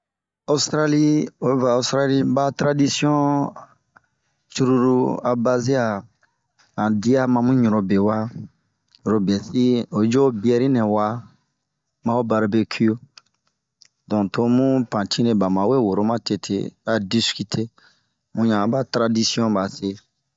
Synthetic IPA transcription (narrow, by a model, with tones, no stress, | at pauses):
o˦stɾa˦li˦o˨˦ba˨o˦stɾa˦li˦ba˦tɾa˦di˦si˦ɔ̃˦ | t͡ʃu˦ɾu˦ɾu˦a˨ba˧ze˦a˨ | ã˨di˦a˦mã˧mũ˦ɲɔ̃˨õ˨be˨wa˦ | o˨ɾo˨bɛ˨si˦o˨d͡ʒo˦bi˦ɛ˦ɾi˦nɛ̃˨wa˦ | mã˦o˦ba˧ɾa˨˦be˦kʰi˦o˦ | dɔ̃˨to˦mũ˦pã˨tĩ˦ne˨ba˨mã˨we˦wo˨ɾo˦mã˦te˨tʰḛ˦a˨di˦ski˦tʰe˦ | mũ˦ɲã˨˦ba˦tɾa˨di˦si˦ɔ̃˦ba˨se˦